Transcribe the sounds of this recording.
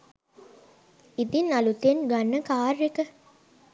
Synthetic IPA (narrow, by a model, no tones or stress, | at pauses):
id̪inɐlut̪enɡanːəkaːrːekə